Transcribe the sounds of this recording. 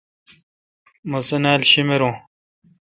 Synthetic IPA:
mɐsɐnaːlɕimeɾõː

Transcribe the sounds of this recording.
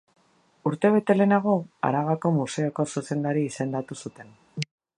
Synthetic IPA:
uɾt̪e̞β̞e̞t̪e̞le̞naɣo̞a̰ɾaɣako̞muse̞oko̞suse̞nd̪aɾiːse̞nd̪at̪usut̪e̞n

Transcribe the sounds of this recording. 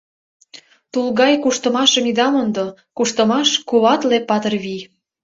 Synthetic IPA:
t̪ulɣɑjkuʃt̪ə̆mɑʃə̆mid̪ɑmond̪o | kuʃt̪ə̆mɑʃkuβɑt̪lepːɑt̪ərβij

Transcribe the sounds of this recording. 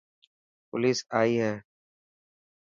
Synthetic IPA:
pʊ̰liːsaːiːɦɛː

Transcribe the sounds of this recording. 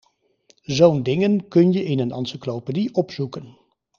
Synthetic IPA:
zowndɪŋənkɵnjəʔɪnənɑ̰nsəklowpediʔɔpzsukən

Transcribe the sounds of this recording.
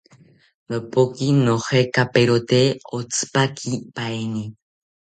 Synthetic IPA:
məpokinohekapeɾot̪eot͡sɨ̥pakʰipaeni

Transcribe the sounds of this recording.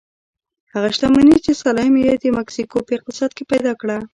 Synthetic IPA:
haɣaʃt̪amanit͡ʃesalɑjmjed̪əmaksikopəɪq̚t̪ɪsɑd̪̚kepajd̪ɑkɽa

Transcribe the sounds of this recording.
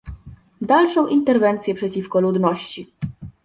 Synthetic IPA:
d̪alʂɔ̃w̃ʔint̪ɛɾvɛnt̪sjɛpʂɛt͡ɕifkɔlud̪nɔɕt͡ɕi

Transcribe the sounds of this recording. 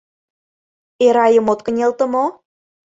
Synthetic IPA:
eɾɑjə̆mot̪̚kə̆nʲelt̪ə̆mo

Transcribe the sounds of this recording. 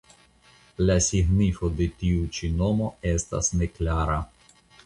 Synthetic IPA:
lasiɡnifo̞d̪e̞t̪iut͡ʃino̞mo̞est̪a̰sneklaɾa

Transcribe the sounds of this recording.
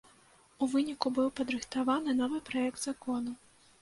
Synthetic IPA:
uvɨnʲikubɨwpɐd̪ɾɨxt̪avanɨnɔvɨpɾajɛkd̪zakɔnu

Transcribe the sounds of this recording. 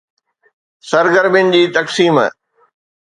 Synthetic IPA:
sɐɾɡəɾmɪnd͡ʑiːt̪ɐksiːm̰

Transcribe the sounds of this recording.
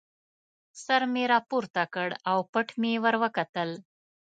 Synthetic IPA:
səɾmeɾapuɾt̪akəɽawpəʈʰmewəɾwəkat̪əl

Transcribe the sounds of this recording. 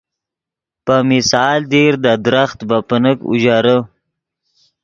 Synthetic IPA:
pəmɪsɑːld̪eɾd̪əd̪ɾaxt̪bapənəkṵʒaɾə

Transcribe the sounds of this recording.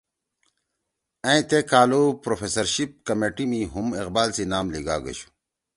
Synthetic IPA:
ɐ̃ĩt̪ekaːlopɾofesɐɾɕip̚kɐmeːʈimiɦumiqbaːlsinaːmliɡaːɡɐ̰ɕu̥

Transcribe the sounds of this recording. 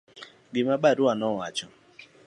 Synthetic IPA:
ɡɪmabaɾuanɔwat͡ʃɔ

